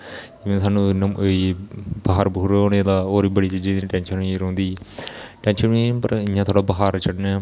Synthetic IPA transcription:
d͡ʒɪʋẽːsaːnũːnəməibəɦaːɾbuːɾoːneːd̪aːoːɾiːbəɽiːt͡ʃiːd͡ʒiːd̪ʈɛ̃ːnʃəniːɾõːnd̪iːʈɛ̃ːnʃənipə̰ɾɪjãːt̪ʰoːɽaːbəɦaːɾt͡ʃʰəɽnɛː

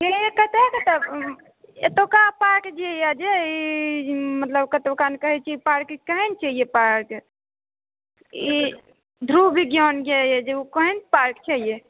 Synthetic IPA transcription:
eekət̪ekət̪e | ḛt̪okapaɾkd͡ʒejad͡ʒei | mət̪ləbkət̪okankəɦɛt͡ʃʰiipaɾkkəɦent͡ʃaɦijepaɾɾk | i | d̪ʱɾubʱiɡjɔnɡejed͡ʒeukəɦenpaɾkt͡ʃʰaɦije

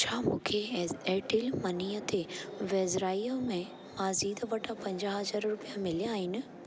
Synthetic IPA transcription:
t͡ɕʰaːmũːkʰeɛːʈilmɐniːjət̪ʰeʋɛːzɾaːijamẽ | maːziːd̪ʋɐʈʰapɐ̃ɲd͡ʑaːɦɦɐzaːɾɾʊpijamɪlijaːɦɪnɪ̆

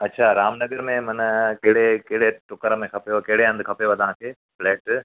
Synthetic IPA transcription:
ɐtːʃʰaɾaːmnɐɡəɾmẽmɐnəkɐɦɪɽekɐɦɪɽeʈʊkəɾəmẽkʰɐpjokɐɦɪɽeɐ̃nd̪ʊkʰɐpejoʋɐd̪ʱãːkʰeː | fleːʈ

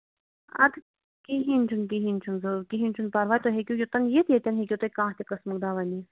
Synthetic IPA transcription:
ɐ̰t̪ | kiɦinʲt͡ʃʰunkiɦinʲt͡ʃʰunzɨkiɦinʲt͡ʃʰunpɐɾʋaːjt̪oɦekʲukʲjut̪ɐnjet̪jet̪ʲɐnɦekʲut̪ɐkãːht̪ʲekɐsmɨk̚d̪aːʋɐnʲi

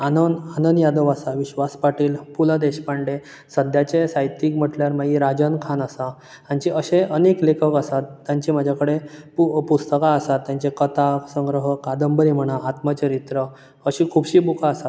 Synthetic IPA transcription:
anənanənjad̪əʋasaʋiɕʋaspaʈiːlpulad̪eɕpaɳɖe | səd̪ʱjat͡ɕesajt̪iːkm̤əʈljaɾmaɡiɾad͡ʑənkʰanasa | ãɲt͡ɕiəɕeəneklekʰəkasat̪ːjaɲt͡ɕim̤ad͡ʑʱakəɽepupust̪əkaːsat̪ːjãɲt͡ɕekət̪asə̃ŋɡɾəɦəkad̪əmbəɾim̤əɽ̃aʔat̪mət͡ɕəɾit̪ɾə | əɕikʰuːbɕiːbukʰaːsat̪

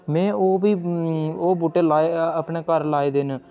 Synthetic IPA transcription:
mɛ̃ːoːbiːoːbuːʈeːlaːeəpneːkəɾlaːeːd̪eːn

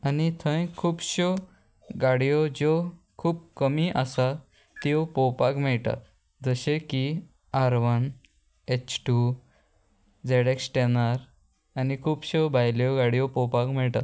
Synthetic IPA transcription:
anit̪ʰə̃jkʰuːbɕɔ | ɡaɽijɔd͡ʑɔ | kʰuːb̚kəmiʔasa | t̪iopɔwpakm̤ɛɭʈa̰ | d͡zəɕeki | aɾʋən | et͡ɕʈu | d͡zeɽeksʈenaɾ | anikʰuːbɕɔbʱajljɔɡaɽijɔpɔwpakmɛɭʈa

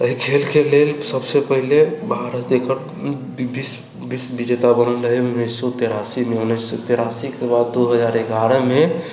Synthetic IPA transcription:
əɦikʰelkelelsəbsepəɦilebʱaɾət̪d̪ekʰəɾ | bis | bisbid͡ʒet̪abənələɦiunːisːɔt̪eɾasimeunːisːɔt̪eɾasikebad̪ːoɦəd͡ʒaɾeɡaɾəme

